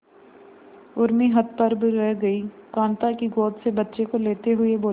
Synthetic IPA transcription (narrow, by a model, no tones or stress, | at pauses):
ʊɾmiɦɐt̪̚pɐɾbɾɛɡɐiːkãːnt̪akiɡoːt̪sebɐtːʃekoleːt̪eɦʊeboː